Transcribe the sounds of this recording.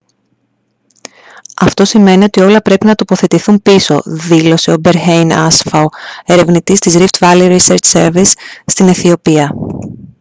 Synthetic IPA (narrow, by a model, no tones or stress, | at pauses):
ɐft̪o̞sime̞nio̞t̪io̞lɐpɾe̞pinɐt̪o̞po̞θe̞t̪iθumpiso̞̰ðilo̞se̞o̞be̞ɾçejnɐ̰sfɐoe̞ɾe̞vnit̪ist̪izɾift̪vɐliɾiseɾt͡ʃseɾvisːt̪ineθio̞piɐ